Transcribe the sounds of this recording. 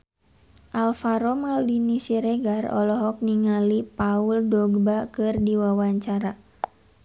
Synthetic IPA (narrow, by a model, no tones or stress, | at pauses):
ʔalfaɾɔmaldinisiɾeɡarɔ̰lɔɦɔk̚niŋalipauldɔɡbakɨrdiwawaɲt͡ʃaɾa